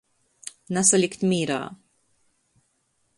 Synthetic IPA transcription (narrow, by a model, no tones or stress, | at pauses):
nɐsɐlikt̪miːɾɐ̰